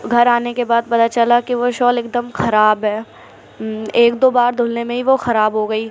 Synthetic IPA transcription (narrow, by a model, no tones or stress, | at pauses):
ɡʱɐɾaːnekebaːd̪̚pɐt̪aːt͡ʃɐlakiʋoʃɔːlɪk̚d̪əmxɐɾaːbɦɛː | eːk̚d̪oːbaːɾd̪ʱʊːlnemẽɦiʋoxɐɾaːbɦoɡɐiː